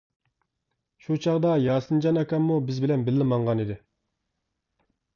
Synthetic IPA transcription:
ʃut͡ʃʰɑʁd̪ɑjɑːsɨnd͡ʒɑnɑkʲɑmːubɪzbɪlɛnbɪlːɪmɑɴʁɑnid̪ɪ

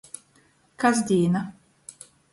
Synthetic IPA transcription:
kazd̪ʲiːna

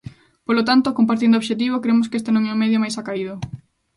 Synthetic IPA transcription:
polot̪ant̪okompaɾt̪̬ind̪oʃet̪̬iβokɾemʊskest̪enũŋɛmeðjomajsakaiðo

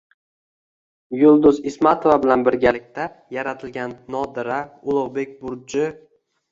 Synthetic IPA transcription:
jʊlˠd̪ʊzɪsmat̪ʰovabɪlanbɪɾɡʲalɪkʲt̪ʰa | jaɾat̪ʰɪlɡʲanːɒd̪ɪɾaʊlˠʊʁbe̞k̚ʲbʊɾd͡ʒɪ

